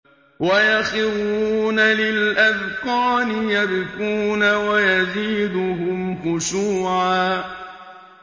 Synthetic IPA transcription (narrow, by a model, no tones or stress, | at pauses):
wajaxɪɾuːnalɪlʔaðkɑːnɪjad̪ʊkuːnawajaziːd̪ʊɦʊmxʊʃuːʕaː